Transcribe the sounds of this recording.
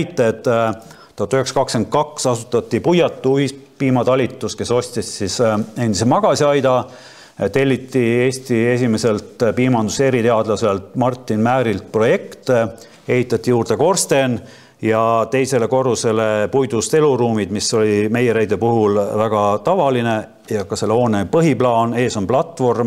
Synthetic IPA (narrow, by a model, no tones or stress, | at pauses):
jt̪ːˑet̪ːt̪ːoht̪ːuyheksɑ̥kɑkske̞n̚kɑksɑsut̪ːˑɑt̪ʲːipujɑt̪ːˑuispiːmɑt̪ɑlʲit̪ːˑuske̞so̞sʲt̪ʲissise̞nd̪isemɑɡ̥ɑsʲiɑjd̪ɑ | t̪e̞lʲːit̪ːˑieːsʲt̪ie̞s̬ʲime̞se̞lt̪piːmɑnd̪use̞ɾit̪e̞ɑd̪lɑse̞lt̪mɑrt̪ːˑinmæːɾilt̪̚pro̞je̞kt̪ | e̞ɦit̪ˑːɑt̪ʲːˑijuːrd̪̥e̞ko̞rst̪e̞n | jɑt̪e̞jse̞le̞ko̞rːuse̞le̞pujd̪̥ust̪e̞luɾuːmid̪̥miso̞lʲime̞jeɾejd̪e̞puɦulvæɡ̥ɑt̪ɑvɑline̞ | jɑkɑse̞lːo̞ːnepɤɦiplɑːne̞ːso̞nplɑt̪ˑvo̞rm